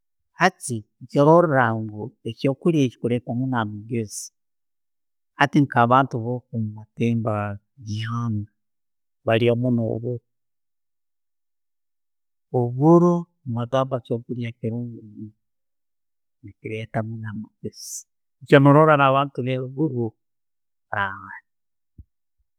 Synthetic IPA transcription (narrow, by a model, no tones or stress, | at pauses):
hatit͡ʃiɾoɾɾaŋɡuekoːkuɾiat͡ʃi̥kuɾetamunamuɡesi̥ | hatiŋkaβaːntuβokumumatemba | ɡiaŋɡa | βaliamuno̰βuɾu | oβuɾu | mβatambat͡ʃokuɾiakiɾuŋɡumi | nikiɾetamunamuɡesi̥ | t͡ʃamuɾoɾaɾaβaːntuβeuβuɾu | ɾaɣani